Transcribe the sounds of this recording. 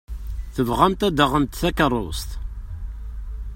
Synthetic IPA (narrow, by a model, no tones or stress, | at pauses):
θəvʁænt̪æd̪əʁənt̪θækərˤːo̰st̪